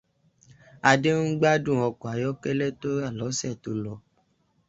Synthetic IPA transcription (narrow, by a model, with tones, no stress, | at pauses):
a˧de˦n̩˦ɡ͡ba˦dũ˦˨ɔ˧kɔ˨a˨˦jɔ˦kɛ˦lɛ˦to˦ɾa˦˨lɔ˨˦sɛ˦˨to˧lɔ˨